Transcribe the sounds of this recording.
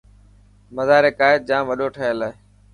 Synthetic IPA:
məzaːɾeːkaːɪt̪̚d͡ʒãːmʋəɗoːʈʰəɦelaːeː

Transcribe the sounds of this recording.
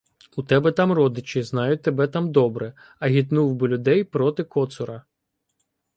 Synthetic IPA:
ut̪ɛbɛt̪ɑmrɔd̪ɪt͡ʃɪznɑjʊt̚ʲt̪ebɛt̪ɑmd̪ɔbɾɛ | ɐɦʲit̪nuwbɪlʲʊd̪ɛjpɾɔt̪ɪkɔt̪sʊɾɐ

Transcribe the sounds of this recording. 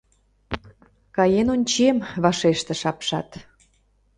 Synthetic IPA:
kɑjenonʲt͡ɕemβɑʃeʃt̪ĕʃɑpʃɑ̰t̪

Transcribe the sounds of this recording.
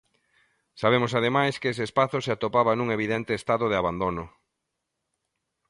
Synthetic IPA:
saβemosað̞emajskeseːspaθʊseat̪opaβanũŋeβ̞iðɛnt̪est̪aðoð̞ɪaβand̪onʊ

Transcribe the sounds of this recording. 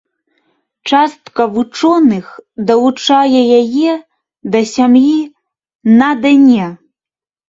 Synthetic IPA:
t͡ʂast̪kɐvut͡ʂɔnɨxd̪ɐvut͡ʂajɛjajɛ | d̪ɐsʲamji | nad̪anʲɛ

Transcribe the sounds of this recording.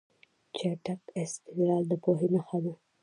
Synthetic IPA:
t͡ʃeʈakest̪ɪɡɾɑːld̪əkoɦinoxab̪u

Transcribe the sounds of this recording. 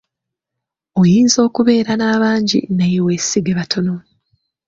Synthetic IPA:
ojiːnzo̞ːkuβe̞ːɾanaːβaːɲɟḭnajiwesiɡeβatʰo̞no̞

